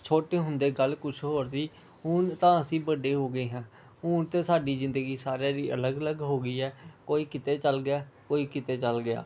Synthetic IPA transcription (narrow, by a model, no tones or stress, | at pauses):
t͡ʃʰoːʈeːɦʊnd̪eːɡəlkʊt͡ʃʰɦoːɾsiː | ɦʊnt̪ãːəsĩːbəɖeːɦoːɡəeːɦãː | ɦʊnt̪ẽːsaːɖiːzɪ̃nd̪əɡiːsaːɾaːɾiːʔələɡələɡɦoːɡiːɛːkoːiːkɪt̪eːt͡ʃəlɡɪjaːkoːiːkɪt̪eːt͡ʃəlɡɪa̰ː